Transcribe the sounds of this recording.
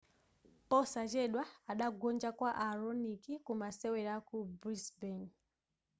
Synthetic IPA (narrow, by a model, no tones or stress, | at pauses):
pɔsat͡ʃeɗwaːɗaɡʱond͡ʒakwaʔaronikikumaseweɾakubrisben